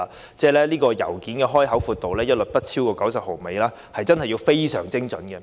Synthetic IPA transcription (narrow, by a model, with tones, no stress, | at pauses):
t͡sɛː˥˩lɛː˥liː˥kɔː˧jɐ̰˨˩wkiː˨˥nkɛː˧ɦɔː˥jɦɐ˨˥wfuː˧t̪ːo˨wlɛː˥jɐ˥t̚lɵ˨˩t̚pɐ˥t̚t͡sʰiː˥wkɔː˧kɐ˨˥wsɐ˨p̚ho˨˩wme˨˧jlaː˥ | hɐ˨jt͡sɐ˥nhɐ˨jːi˧wfe˥jsœ̰ː˨˩ŋt͡sɪ˥ŋt͡sɵ˨˥nkɛ˧